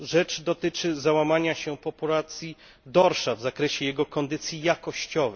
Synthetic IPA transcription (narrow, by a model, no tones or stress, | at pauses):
ʐɛt͡ʂd̪ɔt̪ɘt͡ʂɘzawamaɲaɕɛpɔpulat̪sʲji | d̪ɔɾʂavzakɾɛɕɛjɛɡɔkɔnd̪ɘt̪sʲjijakɔɕt͡ɕɔvɛ